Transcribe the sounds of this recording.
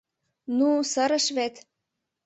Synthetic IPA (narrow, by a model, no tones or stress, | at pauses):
nusəɾə̆ʃβet̪